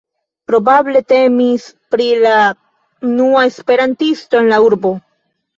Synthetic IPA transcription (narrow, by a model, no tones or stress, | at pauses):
pɾo̞bable̞te̞mispɾila | unuae̞spe̞ɾantisto̞e̞nlauɾbo̞